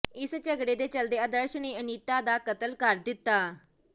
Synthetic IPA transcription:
ɪst͡ʃəɡɽeːd̪eːt͡ʃəld̪eːəːd̪əɾʃneːəniːt̪aːd̪aːkət̪əlkəɾd̪ɪt̪ːaː

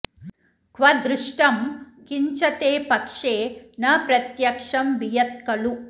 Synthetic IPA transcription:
kʰʋɐd̪ɾuʂʈɐm | kiɲt͡ʃɐt̪eːpɐkʂeːnɐpɾɐt̪jɐkʂɐmʋijɐt̪̚kɐlu

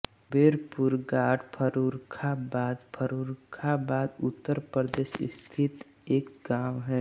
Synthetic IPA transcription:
beːɾpuɾɡaːʈpʰəɾuɾkʰabaːd̪pʰəɾuɾkʰabaːd̪ʊt̪ːəɾpɾəd̪eːʃɪ̰st̪ʰɪt̪ | eːkɡaːwɦɛ

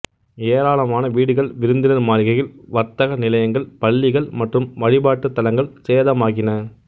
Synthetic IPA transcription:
eːɾaːɭɐmaːnɐʋiːɽɯɣɐɭʋɪɾɯnd̪ɪnɐɾmaːnɪɣɐjɪlʋɐɾt̪ɐɣɐnɪlɐjɐŋɡɐɭpɐɭːɪɣɐɭmɐʈrɯmʋɐɻɪbaːʈːɯt̪ːɐlɐŋɡɐɭseːðɐmaːɣɪnɐ

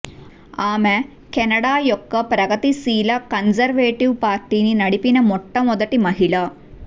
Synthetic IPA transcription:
aːme | kɛnɐɽaːjɔkːɐpɾɐɡɐt̪isiːlɐkɐnsɐɾʋeːʈiʋpaːɾʈiːninɐɽipinɐmɔʈːɐmɔd̪ɐʈimɐɦiɭɐ

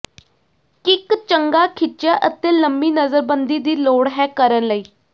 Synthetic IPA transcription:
kɪkt͡ʃəŋɡaːkʰɪt͡ʃjaːʔət̪eːləmbiːnəzəɾbənd̪iːd̪iːloːɽɦɛːkəɾənləiː

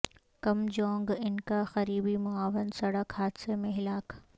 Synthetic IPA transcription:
kɐmd͡ʒɔːŋɡɪnkaxɐɾiːbimʊaːʋənsɐɽəkhaːd̪semẽɦɪlaːk

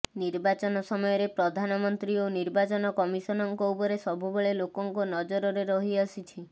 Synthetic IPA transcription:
niɾbat͡ʃɔnɔsɔmɔjɔɾepɾɔd̪ʱanɔmɔnt̪ɾioniɾbat͡ʃɔnɔkɔmisɔnɔŋkɔupɔɾesɔbʱubeɭelokɔŋkunɔd͡ʒɔɾɔɾeɾɔɦiasit͡ʃʰi

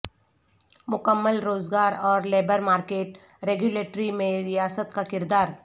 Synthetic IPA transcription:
mʊkəmːəlɾoːzɡaːɾɔːɾleːbəɾmaːɾkeːʈ | ɾeːɡjʊleːʈɾimẽɾɪjaːsət̪kakɪɾd̪aːɾ

